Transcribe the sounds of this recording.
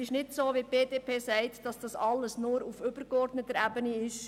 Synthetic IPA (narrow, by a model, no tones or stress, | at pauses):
ɪʃnɪtsoːʋip̚b̥eːdeːpʰeːsɛɪtd̥ɑsd̥ɑsɑlːəsnʊɾufʏb̥əɾkɔrdnət̪ːəɾæbəniɪʃ